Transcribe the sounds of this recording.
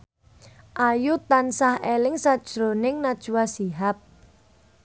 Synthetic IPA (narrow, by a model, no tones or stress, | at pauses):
ʔajut̪ansahelɪŋsad̥ʒ̥ɾonɪŋnad̥ʒ̥uwasiɦap̚